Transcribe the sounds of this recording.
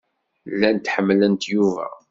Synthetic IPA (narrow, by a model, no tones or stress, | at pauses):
lːænt̪ħəmːlənt̪juvæ̰